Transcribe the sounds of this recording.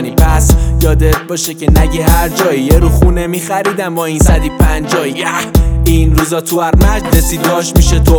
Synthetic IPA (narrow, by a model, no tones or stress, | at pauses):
nipʰæsjɒːd̪et̪̚bɒːʃecʰenæɟiɦæɾd͡ʒɒːijeɾuχunemixæɾiːd̪æmɒːiːnsæd̪ipʰænd͡ʒɒːijæhiːnɾuːzɒːt̪ʰuæɾmæd͡ʒlesiːd̪ɒːʃmiʃet̪ʰo